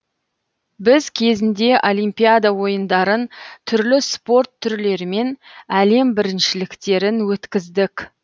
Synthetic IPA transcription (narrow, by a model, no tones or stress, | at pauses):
bɪzkʲʰe̞zɪnd̪e̞ʔo̞lˠijmpijad̪awo̞jənd̪ɑɾənt̪ʰʏɾlɪspo̞rt̪ʰːʏɾle̞ɾɪme̞næle̞mbɪɾɪnʃɪlɪkt̪e̞ɾɪnwɵt̪kʲɪzd̪ɪkʲ